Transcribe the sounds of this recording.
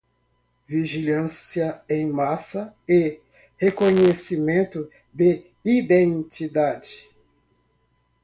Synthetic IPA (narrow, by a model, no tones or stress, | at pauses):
viʒilɐ̃siɐẽj̃masɐe | hekõɲesimẽnt̪ʊ | d̪e | id̪ẽnt͡ʃid̪ad͡ʒɪ